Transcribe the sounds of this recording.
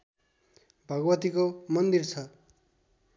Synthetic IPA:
bʱʌɡwʌt̪ikomʌnd̪irt͡sʰʌ

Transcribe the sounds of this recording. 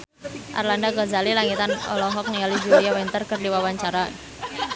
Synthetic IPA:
ʔa̰rlandaɡɔzalilaŋit̪anɔ̰lɔɦɔk̚nialid͡ʒuɾijawɛnt̪ərkərdiwawaɲt͡ʃaɾa

